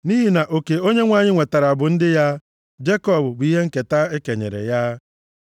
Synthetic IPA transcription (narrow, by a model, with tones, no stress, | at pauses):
ni˦ɦi˨na˨ʔo˨ke˨o˦ɲe˦ŋʷa˨ɲɪ˦ŋʷe˨ta˨ɾa˨a˨bʊ˨n̩˦dɪ˦ja˦ | d͡ʒe˦kɔ˦˨bʊ˨bʊ˨i˦ɦe˦ŋ̩˦ke˨ta˦e˦ke˨ɲḛ˨ɾḛ˨ja˦